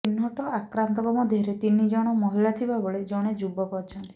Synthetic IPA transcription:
inɔʈɔakɾant̪ɔbɔmɔd̪ʱeɾet̪inid͡ʒɔɽ̃ɔmɔɦiɭat̪ʰibaboɭed͡ʒɔɽ̃ed͡ʒubɔkɔɾt͡ʃʰɔnt̪i̥

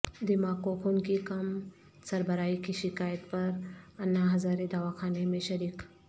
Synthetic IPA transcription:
d̪ɪmakokʰunkikɐm | sɐɾbəɾaːikiʃɪkaːjət̪pɐɾɐnːaɦɐzaːɾed̪aːʋakʰaːnemẽʃɐɾiːk

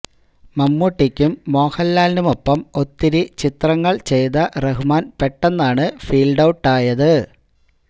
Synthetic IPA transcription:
mɐmːuʈːikʲːumːo̞ːhɐlːaːlnumo̞pːɐmo̞t̪ːiɾit͡ɕit̪rɐŋːɐɭt͡ɕe̞jðɐreɦumaːnpeʈːenːaːɳɨfiːlɖɐwʈːaːjɐðɨ

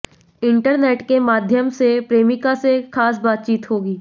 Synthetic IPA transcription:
ɪ̃ɳʈəɾneːʈkemaːd̪ʱjəmsepɾeːmɪkasexaːs̬baːt̪̚t͡ʃiːt̪ɦoːɡiː

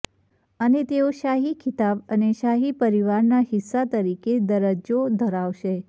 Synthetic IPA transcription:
ənet̪eoʃaɦikʰɪt̪abəneʃaɦipəɾiʋaɾnaɦɪsːat̪əɾiked̪əɾəd͡ʒod̪ʱəɾaʋʃe

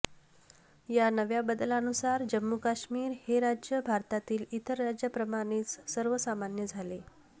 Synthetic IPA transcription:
janəʋjabəd̪lanusaɾd͡ʑəmːukaɕmiːɾheɾad͡ʑjəbʱaɾt̪at̪iːlit̪əɾːad͡ʑjəpɾəmaɽ̃it͡ssəɾʋəsamanjəd͡zʱale

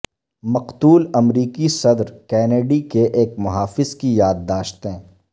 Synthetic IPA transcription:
mɐqt̪uːlɐmɾiːkisɐd̪ɾkɛːneːɖikeʔeːk̚mʊɦaːfɪzkijaːd̪ːaːʃt̪ɦɛ̃ː

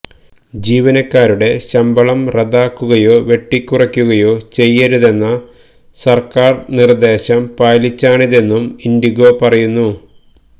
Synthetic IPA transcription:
d͡ʑiːʋɐnɐkːaːɾuɽe̞ɕɐmbɐɭɐmreðaːkːuɣɐjo̞ːʋe̞ʈːikʲːurɐkʲːuɣɐjo̞ːt͡ɕe̞jːɐɾuðe̞nːɐ | sɐrkaːrnird̪e̞ːɕɐmpaːlit͡ɕːaːɳiðe̞nːumind̪iɣo̞ːpɐrɐjunːu

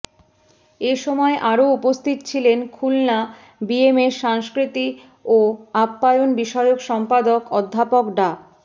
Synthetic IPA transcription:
eʃɔmɔeʔaɾoupost̪ʰit̪t͡ɕʰilenkʰulna | biemeʃaŋskɾit̪i | oapːajonbiʃɔeokʃɔmpad̪okɔd̪ʱːapokɖa

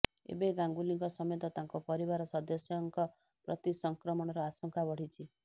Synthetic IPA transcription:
ḛbeɡaŋɡuliŋkɔsɔmɔjɔt̪ɔt̪aŋkɔpɔɾibaɾɔsɔd̪ɔsjɔŋkɔ | pɾɔ̰t̪isɔŋkɾɔmɔɽ̃ɔɾɔasɔŋkʰabɔɽ̤it͡ʃʰi

